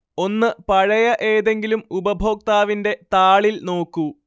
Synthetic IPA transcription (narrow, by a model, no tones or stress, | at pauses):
o̞nːɨpɐɻɐjɐʔeːðe̞ŋɡilumubɐbʱo̞ːk̚t̪aːʋinde̞t̪aːɭilno̞ːkːu